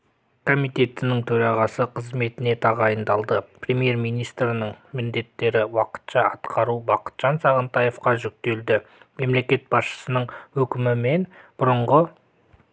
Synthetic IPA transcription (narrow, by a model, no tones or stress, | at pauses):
kʰo̞mijt̪e̞t̪ɪnɪŋt̪ʰɵɾɑʁɑsəqʰəzme̞t̪ɪne̞t̪ʰɑʁɑjənd̪ɑlˠd̪əprʲe̞mije̞ɾmijnijst̪ɾɪnəɴmɪnd̪e̞t̪ːe̞ɾɪwɑqə̥t̪ʃɑɑt̪qʰɑɾubɑqə̥t̪ʒ̥ɑnsɑʁənt̪ɑje̞fqɑʒʏk̚t̪e̞ld̪ɪme̞mle̞kʲe̞t̪̚bɑsʃə̥sənəɴwɵkʲɪmɪme̞nb̥ʊɾəɴʁə